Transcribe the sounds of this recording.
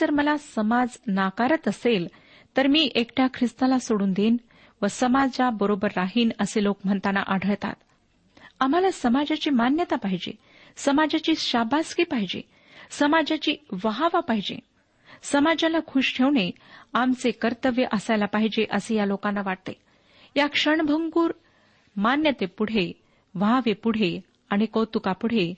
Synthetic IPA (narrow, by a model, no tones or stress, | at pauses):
əɾməlasəmad͡znakaɾət̪əsel | t̪əɾmiːʔekʈʰjakʰɾist̪alasoɽuːnd̪en | ʋəsəmad͡zabəɾobəɾːaɦiːnəselokm̤əɳt̪ana̰ʔaɽʱəɭt̪a̰t̪ | am̤alasəmad͡ʑat͡ɕiːmanjət̪apaɦid͡ʑḛ | səmad͡ʑat͡ɕiːɕabʱaskiːpaɦid͡ʑḛ | səmad͡ʑat͡ɕiːʋəɦaʋapaɦid͡ʑḛ | səmad͡ʑalakʰuʂʈʰeʋɳe | amt͡sekəɾt̪əʋjəʔəsajlapaɦid͡ʑeʔəsejalokanːaʋaʈ̚t̪ḛ | jakʂəɳbʱəŋɡuːɾ | manjət̪epuɽ̤e | ʋaɦaʋepuɽ̤e | aɽ̃ikəwt̪ukapuɽ̤e